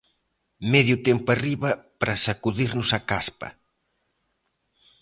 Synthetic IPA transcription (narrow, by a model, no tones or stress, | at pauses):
mɛðjʊt̪ɛmpʊariβɐpɾɐsakuðiɾnʊsakaspɐ̰